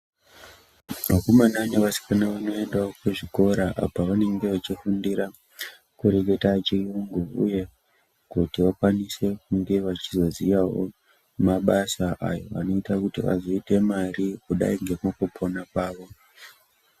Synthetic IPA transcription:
makomananeʋasi̥kanaʋano̞e̞ndaokuʐiko̞ɾaʔa̰paʋane̞ŋɡe̞ʋat͡ʃifundiɾa | kuɾe̞k̬e̞tat͡ʃijuŋɡuṵje̞ | kutiʋakwanise̞k̚uŋɡe̞ʋat͡ʃizo̞ziʋawo̰ | maɓasaʔa̰jo̞̰ʋa̰no̞itakutiʋa̰zo̞ite̞marikuɗa̰iŋɡe̞mukupʰonakaːʋo̞

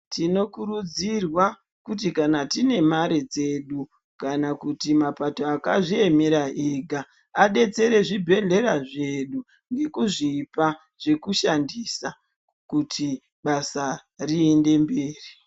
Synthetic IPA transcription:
tino̞kuɾud͡zirwa | kut̬ikanatine̞maɾed͡ze̞ɗu | kanakutimapatoakaʐie̞meɾaʔeːɡʱa | aɗe̞t͡se̞ɾe̞ʐibʱe̞ɮe̞ɾaʐe̞ɗu | ŋɡe̞kuʐiːpa | ʐ̥e̞kuʃandisa | kutʰi | ɓasariende̞mbe̞ːri

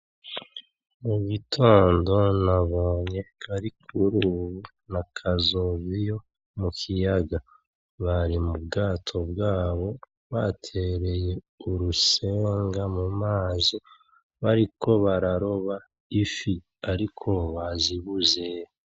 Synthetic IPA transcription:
muɡitʰo̞ːndo̞naβoːɲe̞kaɾikʰuɾuːβu | nakʰazoβijo̞ | mukʰijaɡa | βaɾimubɡaːtʰo̞bɡaːβo̞ | βatʰe̞ɾe̞je̞ | uɾuse̞ːŋɡamumaːzi | βaɾiko̞βaɾaɾo̞βa | ifi | aɾikʰo̞βaziβuzej

